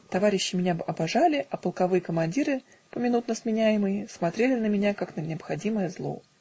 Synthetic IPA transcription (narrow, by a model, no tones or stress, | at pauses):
t̪ɐvaɾʲɪɕːɪmʲɪnʲaɐbɐʐalʲɪʔɐpəlˠkɐvɨjəkəmɐnʲdʲiɾɨ | pəmʲɪnut̪nəsmʲɪnʲæjɪmɨjɪsmɐt̪ɾʲelʲɪnəmʲɪnʲakaknənʲɪəpxɐdʲiməjəzlˠo̞̰